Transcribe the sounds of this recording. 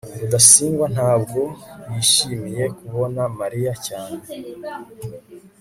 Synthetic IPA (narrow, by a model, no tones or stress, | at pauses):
βudasiːŋɡwan̥haːbɡo̞jiʃiːmije̞kuβo̞namaɾijacaːne